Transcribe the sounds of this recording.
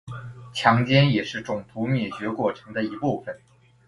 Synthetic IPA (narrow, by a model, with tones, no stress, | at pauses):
t͡ɕʰjɑ˧˥ŋt͡ɕjɛ˥njɛ˨˩ʂɻ̩˥˩ʈ͡ʂʊ˨˩ŋt̪ʰu˧˥mjɛ˨˩t͡ɕɥɛ˧˥kwɔ˥˩ʈ͡ʂʰɤ˧˥ŋd̪ə˧i˧˥pu˥˩fə˨˩n